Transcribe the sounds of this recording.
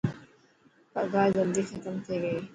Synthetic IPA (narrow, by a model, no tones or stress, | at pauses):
pɐɡaːzɐnd̪ixɐt̪əmt̪ʰeːɡɐeː